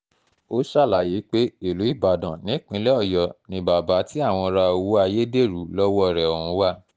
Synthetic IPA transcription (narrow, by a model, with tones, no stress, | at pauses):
o˦ʃa˦˨la˨je˨˦k͡pe˦i˦˨lu˨˦i˦˨ba˨dã˨nĩ˨˦k͡pĩ˨˦lɛ˦ɔ˦˨jɔ˨nĩ˧˦ba˨ba˨˦tʰi˦a˦˨w̃ɔ̃˧ɾa˧o˧wu˦a˧je˦de˦˨ɾu˨˦lɔ˦wɔ˦˨ɾɛ˨ɔ˨hũ˨˦wa˦˨